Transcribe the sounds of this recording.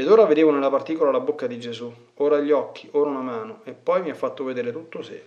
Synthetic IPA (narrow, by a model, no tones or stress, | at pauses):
ed̪oːɾaved̪eːvonelːapart̪iːkolalabokːad̪id͡ʒezu | oːɾaʎːɔkːioːɾaunamaːnoepːɔjmiafːat̪ːoved̪eːɾet̪ut̪ːose